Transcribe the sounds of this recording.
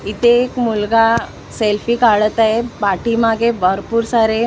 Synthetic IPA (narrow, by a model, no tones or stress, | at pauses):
it̪eːkmulɡa | selfikaɭət̪aɦepaʈimaɡebʱəɾpuːɾsaɾe